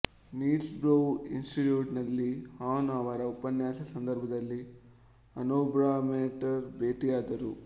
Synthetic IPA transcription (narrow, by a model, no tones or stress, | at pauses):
niːsbɾoinsʈiʈjuːʈnɐlːihaːnaːʋɐɾɐupɐnjaːsɐsɐnd̪ɐɾbʱɐd̪ɐlːi | ɐnoːbɾaːmeːʈɐɾbeːʈiaːd̪ɐɾu